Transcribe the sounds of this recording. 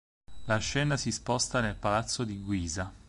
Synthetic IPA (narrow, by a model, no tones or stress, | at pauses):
laʃːɛːnasispɔst̪anelpalat̪sːod̪iɡwiːza